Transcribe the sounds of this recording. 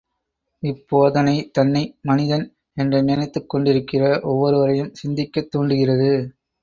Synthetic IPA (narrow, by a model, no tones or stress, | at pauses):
ɪpːoːðɐnɐɪt̪ɐnːɐɪmɐnɪðɐn | ɛndrɐnɐnɐt̪ːɯkːɔɳɖɪɾɯkːɪrɐʔɔʋːɔɾɯʋɐrɐjɯmsɪnd̪ɪkːɐt̪ːuːɳɖɯɣɪrɐðɯ